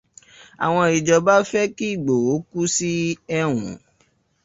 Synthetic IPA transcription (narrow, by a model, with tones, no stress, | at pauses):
a̰˨w̃ɔ̃˧i˨d͡ʒɔ˧ba˦fɛ˦ki˦˨ɡ͡bo˨o˨˦ku˦si˦ɛ˧wṵ̃˨